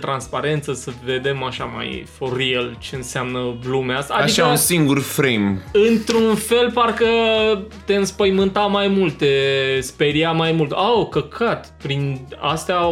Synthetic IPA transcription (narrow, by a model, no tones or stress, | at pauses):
t̪ɾanspaɾe̞nt̪səsəve̞d̪e̞maʃama̰jfoɾielt͡ʃe̞ɨnsɪamnəblumeast̪aːd̪iʃaəunsiŋɡurfɾejmɨnt̪ɾunfe̞lparkət̪e̞ɨnspəjmɨnt̪amajmult̪̚t̪espeɾiamajmult̪okəkʰat̪pɾina̰st̪a